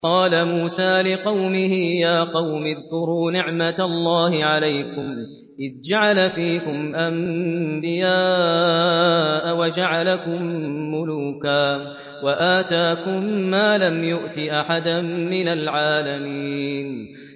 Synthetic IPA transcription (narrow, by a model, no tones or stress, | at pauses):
qɑːlamuːsaːlɪqɑwmɪhɪjaːqɑwmɪðkʊɾuːnɪʕmat̪alˤːɑːhɪʕalajkʊm | ʔɪðd͡ʒaʕalafiːkʊmʔambɪjaː | ʔawad͡ʒaʕalakʊmːʊluːkaː | waʔaːt̪aːkʊmːaːlamjʊʔt̪ɪʔaħad̪amɪnalʕaːlamiːn